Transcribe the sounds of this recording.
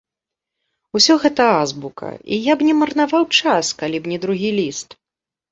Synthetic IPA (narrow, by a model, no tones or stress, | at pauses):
usʲɔɣɛt̪ɐazbukɐ̰ʔḭjabnʲɛmɐrnavawt͡ʂaskalʲibnʲɛd̪ɾuɣʲilʲist̪